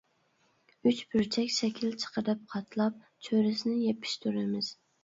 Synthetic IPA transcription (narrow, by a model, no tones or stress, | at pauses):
yt͡ʃbɪɾt͡ʃʰɛkʲsɛkʲʰilt͡ʃʰə̥qʰəd̪ɪp̚qʰɑt̪ʰlˠɑp̚ | t͡ʃʰøɾɪsɪnɪjepʰɪ̥ʃt̪ʰuɾɪmɪz̥